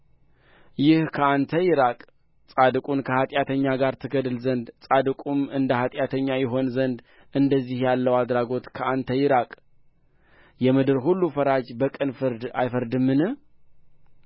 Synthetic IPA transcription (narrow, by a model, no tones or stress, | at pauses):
jɪhkʰəant̪ʰəjɪɾakʼ | sʼad̪ɨkʼunkʰəhat̪ʼjat̪ʰəɲːaɡaɾt̪ʰɨɡəd̪ɨlzənd̪sʼad̪ɨkʼumɨnd̪əhat̪ʼjat̪ʰəɲːajɪɦo̞nzənd̪ | ɨnd̪əzːihjalːəwad̪ɾaɡo̞t̪kʰəant̪ʰəjɪɾakʼ | jɛmɨd̪ɨɾɦulːufəɾad͡ʒbəkʼɨnfɨɾd̪ajfəɾd̪ɨmːɨnɨ